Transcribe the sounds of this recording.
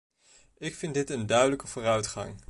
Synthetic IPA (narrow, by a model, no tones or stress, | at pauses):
ɪkfɪndɪtəndœɥdələkəvoːrœɥtχɑ̰ŋ